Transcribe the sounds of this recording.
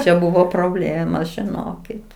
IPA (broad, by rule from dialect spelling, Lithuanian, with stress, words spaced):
t͡ʃʲɛ ˈbʊʋoː proːˈbʲlʲeːmoːs ʒʲɪˈnoːkʲɪt